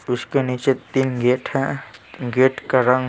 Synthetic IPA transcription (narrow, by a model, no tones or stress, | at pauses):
ʊskenit͡ʃet̪iːnɡeːʈɦɛ̃ɡeːʈkɐɾə̃ŋ